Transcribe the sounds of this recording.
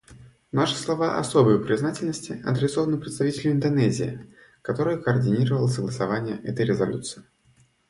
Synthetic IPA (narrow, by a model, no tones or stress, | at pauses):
naʂɨ̥slˠɐvaʔɐ̰so̞bɨjʊpɾʲɪznatʲɪlʲnəsʲtʲɪɐ̰d̪ɾʲɪsovənɨpɾʲɪt̪st̪ɐvʲitʲɪlʲmɪnd̪ɐnɛzʲɪ̰ɪ̰ | kɐt̪o̞ɾɨjəkəːrdʲɪnʲiɾəvəlˠəsəɡlˠəsɐvanʲɪjəʔɛt̪əjɾʲɪzɐlʲut̪sɨɪ